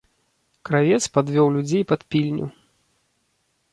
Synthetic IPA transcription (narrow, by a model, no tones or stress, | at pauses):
kɾavʲɛt̪spad̪vʲɔwlʲud͡zʲejpat̪pʲilʲnʲṵ